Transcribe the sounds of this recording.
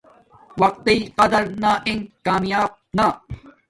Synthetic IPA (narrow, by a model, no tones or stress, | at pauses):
wɐq̚t̪iqɐd̪ɐɾnaʔɪ̃ŋkaːmjaːb̚na